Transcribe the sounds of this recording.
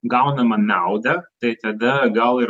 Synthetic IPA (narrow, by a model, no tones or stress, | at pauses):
ɡɐʊnɐmɐnɐʊd̪ɐt̪ɐɪt̪ɐd̪ɐɡɐlˠɪɾ